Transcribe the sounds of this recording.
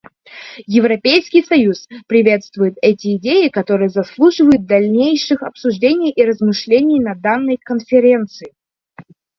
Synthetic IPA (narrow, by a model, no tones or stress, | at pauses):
jɪvɾɐpʲejskʲɪjsɐjuspɾʲɪvʲe̞t̪st̪vʊjɪt̪ɛtʲɪɪdʲejɪkɐt̪o̞ɾɨjəzɐslˠuʐɨvəjʊt̪̚d̪ɐlʲnʲejʂɨxɐpsʊʐdʲenʲɪjʔiɾəzmɨʂlʲenʲɪjnɐd̪anːəjkənfʲɪɾʲe̞nt̪sɨɪ